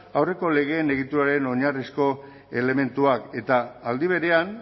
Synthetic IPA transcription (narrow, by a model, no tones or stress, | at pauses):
awre̞ko̞le̞ɣ̞e̞ːne̞ɣ̞it̪uɾaɾe̞no̞ɲarisko̞ | e̞le̞me̞nt̪uake̞t̪aːld̪iβ̞e̞ɾe̞an